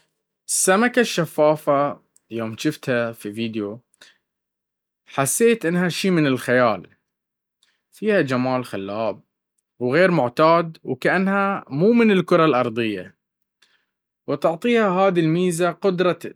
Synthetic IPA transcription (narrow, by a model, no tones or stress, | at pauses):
ʔɪsːamakaʃːafːaːfa | joːmʃɪft̪hafiviːd̪jo | ħasːeːt̪ʔɪnːhaʃiːmɪnɪlxajaːl | fiːhad͡ʒamaːlxalːaːb̚ | wɣeːɾmʊʕt̪aːd̪wkaʔanːhamuːmɪnɪlkʊɾˤɑlʔɑɾˤd̪ˤɨjːa̰ | wɪt̪ʊʕt̪ˤiːhaɦaːðilmiːzaqʊd̪ɾˤɑ